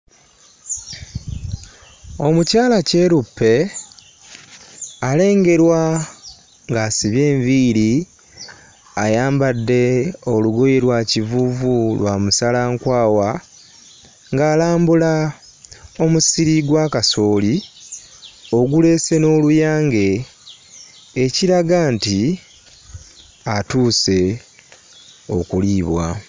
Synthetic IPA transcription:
o̞mucaːlace̞ɾupːe̞ | ale̞ːŋɡe̞ɾwa | ŋɡaːsiβje̞ːɱviːɾi | ajaːmbadːe̞o̞luɡo̞jeɾwaːcivuvulwaːmusalaŋkwaːwa | ŋɡaːlaːmbula | o̞musiɾiɡwaːkaso̞ːli | o̞ɡule̞ːse̞no̞ːlujaːŋɡe̞ | ciɾaɡanti | atuːse̞ | o̞̰kuliːβwa̰

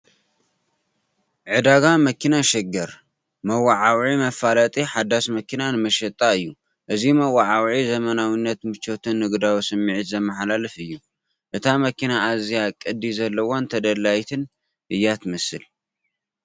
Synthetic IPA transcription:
ʕɨd̪aɡamɐkʰinaʃɛɡɐɾ | mɐwaʕawʕimɐfalɐt̪ʼiħad̪ːasmɐkʰinanɨmɐʃɐt̪ʼːaɨjːu | ʔɨzimɐwːaʕawʕizɐmɐnawinːɐt̪mɨt͡ʃːo̞t̪ʰɨnːɨɡd̪awisɨmːiʕɨt̪zɐmːɐħlalɨfɨjːu | ʔɨt̪ʰamɐkinaʔːzijakʼɨd̪izɐlːɐwont̪ʰɐd̪ɐlːajt̪ʰɨn | ʔɨjːat̪ʰmɨsɨl

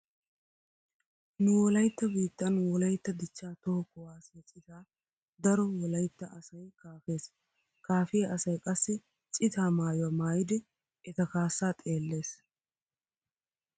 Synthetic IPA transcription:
nʊwɔlɐjt̪ːɐbiːt̪ːɐnwɔlɐjt̪ːɐd̪ɪt͡ʃːaːt̪okʊwaːsɛt͡sʼɪt̪aː | d̪ɐɾɔwɔlɐjt̪ːɐʔɐsɐjkaːfe̞ːs | kaːfɪjɐʔɐsɐjkʼɐsːɪ | t͡sʼɪt̪aːmaːjʊwɐmaːjɪd̪ɛ | ɛt̪ɐkaːsːaːt̪ʼe̞ːlːe̞ːs

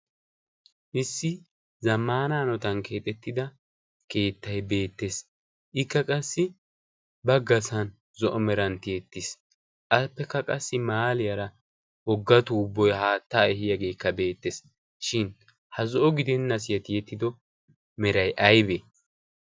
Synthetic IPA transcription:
ʔɪsːɪ | zɐmːaːnaːnɔt̪ɐnke̞ːt̪ʼɛt̪ːɪd̪ɐ | ke̞ːt̪ːɐjbe̞ːt̪ːe̞s | ʔɪkːɐkʼɐsːɪ | bɐɡɐsɐn | zɔʔɔmɛɾɐnt̪ɪjɛt̪ːɪs | ʔɐpːɛkːɐkʼɐsːɪmaːlɪjɐɾɐ | ɔɡːɐt̪uːbːɔjhaːt̪ːaːɛhɪjɐɡe̞ːkːɐbe̞ːt̪ːes | ʃɪn | hɐzɔʔɔɡɪd̪ɛnːɐs̬ɪjɐt̪ɪjɛt̪ːɪd̪ɔ | mɛɾɐjʔɐjbe

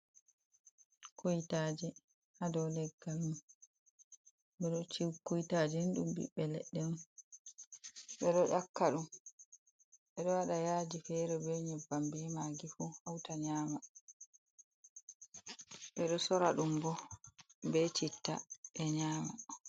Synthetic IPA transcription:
kʰojitaːd͡ʒɛ | hadɔwlɛɡːalum | ɓɛɗɔt͡ʃikojtaːd͡ʒɛnɗṵmbḭɓːɛlɛɗːɛnun | ɓɛɗɔʔakːaɗum | ɓɛɗɔwaɗajaːd͡ʒifɛɾɛbɛɲɛbambɛmaɡifuhawtaɲaːma | ɓɛɗɔsɔɾaɗumbɔ | bɛt͡ʃitːa̰ɓɛɲaːma

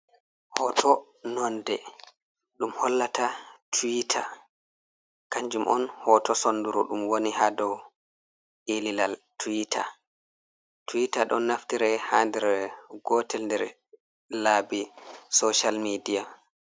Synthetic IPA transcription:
hɔtʰɔ | nɔndɛ | ɗumhɔlːatatʰuwitʰa | kaɲd͡ʒumʔɔ̰nhɔtɔsonduɾuɗumwonihadɔw | ʔelilaltʰuitʰa̰ | tuwitaɗɔ̰nːaftiɾɛhandɛɾɛɡɔtɛlndɛɾ | laːbisoʃalmidija

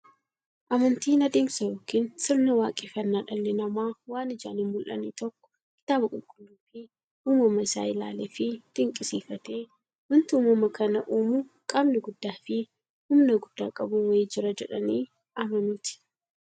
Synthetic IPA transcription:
ʔɐmɐnt̪iːnɐd̪eːmsɐjoːkiːnsɪɾnɐwaːkʼeːfɐnːaːᶑɐlːɛnɐmaːwaːnɪd͡ʒa̰ːnhɪmmʊlʔɐ̰nḭːt̪ɔkːɔ̥ | kɪ̥t̪aːbɐkʼʊlkʼʊlːuːfɪ | uːmɐmɐɪsa̰ːɪla̰ːleːfɪt̪ɪŋkʼɪsiːfɐt̪eː | wʊnt̪uːmɐmɐkɐnɐʔuːmʊ | kʼɐmnɪɡʊd̪ːaːfɪ | hʊmnɐɡʊd̪ːa̰ːkʼɐbʊweːd͡ʒɪɾɐd͡ʒɛ̰ᶑɐniː | ɐmɐmɪt̪ɪ̥

